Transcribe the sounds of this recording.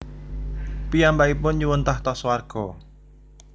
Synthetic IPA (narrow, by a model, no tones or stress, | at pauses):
pijambaipʊnɲuwənt̪aht̪ɔswarɡ̥ɔ